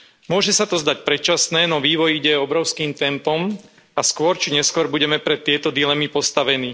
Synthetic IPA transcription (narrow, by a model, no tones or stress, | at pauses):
mʊɔʒɛsat̪ɔzd̪ac̚pɾɛt͡ʃasnɛːnɔʋiːʋɔjiɟɛɔbɾɔʊskiːmt̪ɛmpɔm | askʊɔɾt͡ʃiɲɛskʊɔɾbuɟɛmɛpɾɛt̪ːɪɛt̪ɔd̪ilɛmipɔst̪aʋɛniː